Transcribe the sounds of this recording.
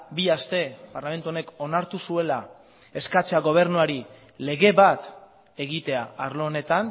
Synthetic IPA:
biast̪e̞paɾlame̞nt̪uo̞ne̞ko̞naɾt̪usue̞la | e̞skat͡seaɣo̞β̞e̞ɾnuaɾi | le̞ɣe̞βat̪ | e̞ɣit̪e̞aːɾloone̞t̪an

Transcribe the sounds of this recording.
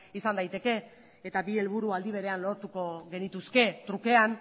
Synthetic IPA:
isand̪ajt̪e̞ke̞ː | t̪abie̞lβ̞uɾuald̪iβ̞e̞ɾe̞anlo̞ɾt̪uko̞ɣe̞nit̪uske̞t̪ɾuke̞an

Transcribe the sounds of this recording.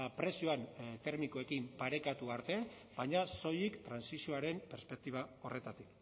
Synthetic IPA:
pɾe̞sio̞ant̪e̞ɾmikoe̞kimpaɾe̞kat̪uaɾt̪e̞ | bajɲaso̞jikt̪ɾansisioaɾe̞mpe̞ɾspe̞k̚t̪iβ̞ao̞re̞t̪at̪ik

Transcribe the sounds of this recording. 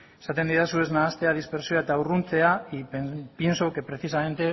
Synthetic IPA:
sat̪end̪iðasue̞znaːst̪e̞að̞ispe̞ɾsioaet̪aurunt͡se̞aipje̞nso̞ke̞pɾe̞θisame̞nt̪e

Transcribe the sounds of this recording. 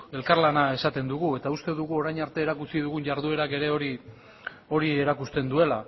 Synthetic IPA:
e̞lkaɾlanae̞sat̪e̞nd̪uɣue̞t̪aust̪e̞ðuɣuo̞ɾajɲaɾt̪e̞ːɾakut͡siðuɣunʝaɾðue̞ɾake̞ɾe̞oɾi | o̞ɾie̞ɾakust̪e̞nd̪ue̞la

